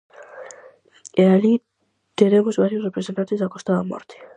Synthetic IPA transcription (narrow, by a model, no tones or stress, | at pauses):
eali | t̪enemozβaɾjosrepɾese̞nt̪ant̪eako̞st̪aðamo̰ɾt̪i̥